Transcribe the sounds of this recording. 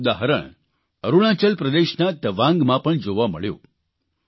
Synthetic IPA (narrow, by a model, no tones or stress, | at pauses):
d̪aɦɾə̰ɳ | əɾuɭ̃ãt͡ʃəlpɾəd̪eʃnat̪əʋãŋɡmãpəɳd͡ʒoʋaməɭjo̰